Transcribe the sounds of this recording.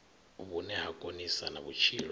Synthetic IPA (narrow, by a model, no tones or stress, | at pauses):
βunɛɦakʼonisanaβut͡ʃʰil